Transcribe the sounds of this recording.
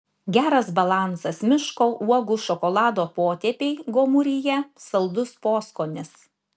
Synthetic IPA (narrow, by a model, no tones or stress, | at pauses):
ɡʲæːɾɐsbɐlˠɑˑnsɐsmʲɪʃkoːʔuɔɡʊʃɔkɔlˠɑːd̪oːpoːt̪ʲɛpʲeɪɡoːmʊɾʲɪjɛsɐlˠd̪ʊspoːskoːnʲɪs